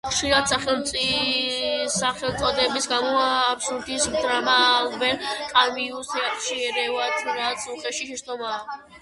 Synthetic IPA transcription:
χʃiɾat̪saχɛlmt̪sʼi | saχɛlˠt̪sʼɔd̪ɛbisɡamɔapsud̪ismd̪ɾamabɛnkʼamiusnɛat̪ʃiɛɾɛvat̪ʰuɾat̪sʰuχʼɛʃiʃɛʃt̪ʼɔma

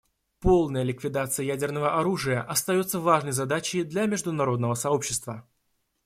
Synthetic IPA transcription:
po̞lˠnəjəlʲɪkvʲɪd̪at̪sɨjəjædʲɪrnəvəʔɐɾuʐɨjəʔɐst̪ɐjo̞t̪səvaʐnəjzɐd̪at͡ɕɪd̪lʲamʲɪʐd̪ʊnɐɾo̞d̪nəvəsɐo̞pɕːɪst̪və

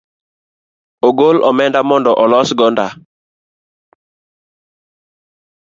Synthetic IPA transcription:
oɡolʔɔmɛndamɔndɔʔɔlɔsɡɔnda

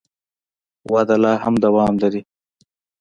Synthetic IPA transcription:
wad̪alɑːhamd̪awɑːmlaɾi

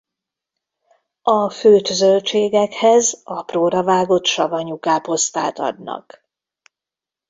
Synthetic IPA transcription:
ɒføːt̪øzølt͡ʃeːɡɛkhɛzɒproːɾɒvaːɡo̞t̪ʃɒvɒɲukaːpo̞st̪a̰ːt̪ɒ̰d̪nɒ̰k

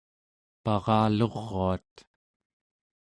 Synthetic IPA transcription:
pɑʁɑːlo̞ʁːoat̪

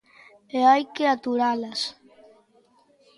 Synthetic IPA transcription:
eajkeat̪uɾalas

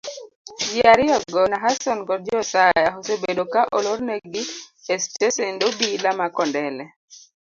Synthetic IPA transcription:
d͡ʒɪaɾɪɔɡɔnaɦasɔnkɔdd͡ʒɔsajaɦosebedokaʔɔlɔɾneɡɪestesendobilamakɔndɛlɛ

